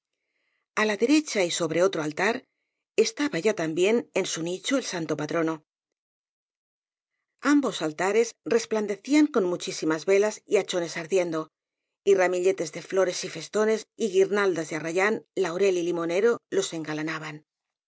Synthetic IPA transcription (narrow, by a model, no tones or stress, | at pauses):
alaðe̞ɾe̞t͡ʃaiso̞β̞ɾe̞o̞t̪ɾoalt̪aɾ | e̞st̪aβaʝat̪ambje̞ne̞nsunit͡ʃoelsant̪o̞pat̪ɾo̞no̞ | ambo̞salt̪aɾe̞sre̞spland̪e̞θiaŋko̞nmut͡ʃisimazβe̞lasiat͡ʃo̞ne̞saɾðje̞nd̪o̞ | iramiʎe̞t̪e̞zðe̞flo̞ɾe̞sife̞st̪o̞ne̞siɣiɾnald̪azðearaʝanlaoɾe̞lilimo̞ne̞ɾo̞lo̞se̞ŋɡalanaβ̞an